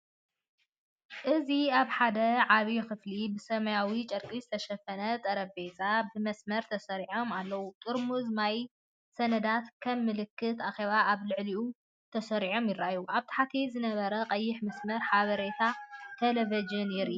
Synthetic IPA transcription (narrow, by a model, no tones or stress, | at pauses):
ʔɨziaβħad̪ɐʕaβixɨflibɨsɐmɐjawit͡ʃʼɐɾkʼizɨt̪ʰɐʃɐfɐnɐt̪ʼɐɾɐbe̞zʼabɨmɐsmɐɾt̪ʰɐsɐɾiʕo̞malːɐwut̪ʼɨɾmuzmaj | sɐnɐd̪at̪kʰɐmːɨlɨkʰːɨt̪axe̞βaʔaβlɨʕliu | t̪ʰɐsɐɾiʕo̞mjɪrːajuʔaβt̪ʰḁħat̪ʰizɨnɐβɐɾɐqʼɐjːɪħmɐsmɐɾħaβɐɾet̪ʰat̪ʰelɐvɐd͡ʒɨnɪɾi